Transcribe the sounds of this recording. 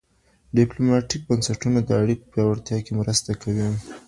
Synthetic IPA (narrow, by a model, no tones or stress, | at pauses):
ɖɪplomɑʈik̚bansaʈunad̪əaɽikopjɑwaɽt̪jɑkemɾəst̪akʰawi